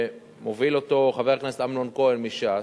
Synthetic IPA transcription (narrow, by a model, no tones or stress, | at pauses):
movilo̞t̪oχaveʁkneset̪amlonkoelmiʃa